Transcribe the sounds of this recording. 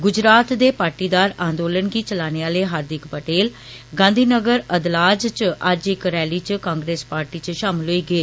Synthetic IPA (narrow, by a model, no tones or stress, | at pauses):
ɡʊd͡ʒɾaːt̪d̪eːpaːɾʈiːd̪aːɾãːnd̪oːlənɡiːt͡ʃəlaːneːaːleːɦaːɾd̪ɪkpəʈeːl | ɡãːnd̪ʱiːnəɡəɾəd̪laːd͡ʒt͡ʃəd͡ʒɪkɾɛːliːt͡ʃkãːŋɡɾeːspaːɾʈiːt͡ʃʃaːmɪlɦoːiːɡəeː